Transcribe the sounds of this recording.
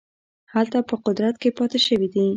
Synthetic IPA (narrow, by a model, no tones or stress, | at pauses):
halt̪apəqʊd̪ɾat̪kepɑt̪eʃəwid̪i